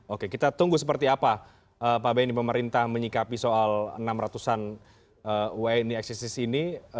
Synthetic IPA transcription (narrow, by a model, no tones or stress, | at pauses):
okekit̪at̪uŋɡuhs̬əpərt̪iapa | əpabajnipəməɾint̪ahməɲikapisoalə̰namrat̪usan | əuwɛniɛksisisini